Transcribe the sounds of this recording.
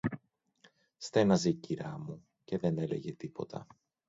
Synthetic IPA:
st̪e̞nɐzeiciɾɐmu | ce̞ðe̞ne̞le̞̰ʝe̞t̪ipo̞t̪ɐ̰

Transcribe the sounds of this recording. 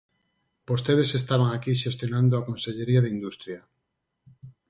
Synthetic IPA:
b̥ost̪eðesest̪aβ̞aŋakiʃest̪jonãnd̪oakonseʎeɾiaðeind̪ust̪ɾja

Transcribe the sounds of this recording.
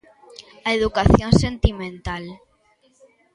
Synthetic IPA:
aeðukaθjõnsent̪imẽnt̪al

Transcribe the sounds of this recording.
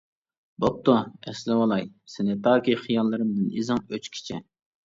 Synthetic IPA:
bop̚t̪uɛslɪwɑlˠɑjsɪnɪt̪ʰɑːkʲiχijɑlˠːɨɾɨmd̪ɨnizɨŋøt͡ʃkʲʰi̥t͡ʃʰɪ̰

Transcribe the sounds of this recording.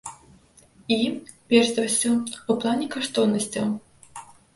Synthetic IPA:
i | pʲɛrʃd̪ɐwsʲuuplˠanʲɛkaʂt̪ɔwnɐsʲt͡sʲɐw

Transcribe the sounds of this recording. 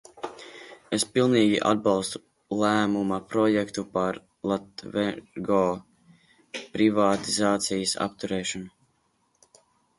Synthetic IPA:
espilˠniːɡʲiʔa̰d̪̚bɑlˠst̪u̥ | lˠæːmumapɾɔjɛkt̪upaɾ | lˠat̪vɛɾɡɔː | pɾivaːt̪izaːt̪sijəsa̰pt̪uɾɛːʃɔnu

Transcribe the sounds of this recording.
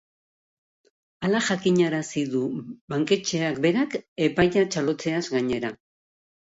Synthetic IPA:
alaʝakiɲaɾasiðuβaŋke̞t͡ʃe̞akbe̞ɾake̞pajʎat͡ʃalo̞t͡se̞azɡaɲe̞ɾa

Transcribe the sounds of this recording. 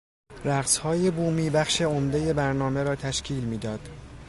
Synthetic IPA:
ɾæɣshɒːje̞buːmiːbæχʃe̞omd̪e̞je̞bæɾnɒːme̞ɾɒːt̪ʰæʃcʰiːlmiːd̪ɒːd̪̥

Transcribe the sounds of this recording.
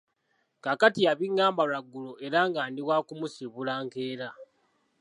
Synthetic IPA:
kakatiaβiŋːaːmbalaɡːuloe̞ɾaːŋɡaːndiβwaːkumusiβulaːŋkeːɾa

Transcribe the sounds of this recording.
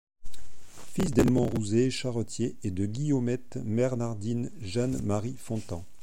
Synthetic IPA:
fisd̪ɛlmɔ̃ʁuzeʃaʁɔt̪jeːd̪əɡʲijɔmɛt̪mɛʁnaʁd̪inʒanmaʁifɔ̃t̪ɑ̃

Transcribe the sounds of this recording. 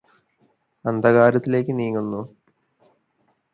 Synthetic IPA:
ɐnd̪ʱɐɣaːɾɐt̪ːile̞ːkʲːɨniːŋːunːu

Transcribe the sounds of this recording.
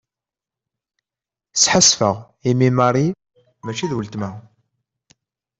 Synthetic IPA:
sħəsfəʁ | imimɑɾˤi | mæt͡ʃːiðwəlt̪mæ

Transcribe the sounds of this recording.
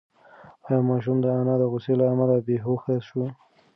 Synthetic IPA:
ɑjɑmɑʃ̬umd̪əanɑd̪əɣʊselaːmalabeɦoxaʃu

